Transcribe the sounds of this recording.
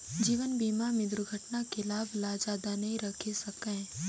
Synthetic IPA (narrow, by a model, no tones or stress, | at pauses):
d͡ʒiːʋənbiːmamɪd̪ɾɡʱəʈnakelaːblaːd͡ʒaːd̪anɐɦĩɾɐkʰesɐkẽː